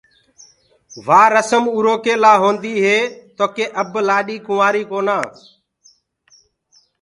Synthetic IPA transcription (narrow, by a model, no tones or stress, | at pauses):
ʋaːɾəsəmuːɾoːkeːlaːɦõːnd̪iːɦeːt̪oːkeːʔəblaːɗiːkʊʋaːɾiːkoːnaː